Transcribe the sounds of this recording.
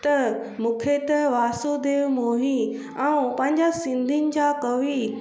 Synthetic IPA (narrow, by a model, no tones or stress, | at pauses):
t̪ɐ | mũːkʰet̪ɐʋaːsud̪eːʋmoːɦi | ɛũpɐ̃ɦɪ̃ɲd͡ʑasɪ̃nd̪ʱinɪ̆d͡ʑãkɐʋi